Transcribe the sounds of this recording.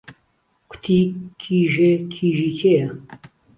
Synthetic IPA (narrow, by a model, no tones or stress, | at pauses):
kʰʷʊ̥t̪ʰiːkʰiːʒekʰiːʒikʰejɐ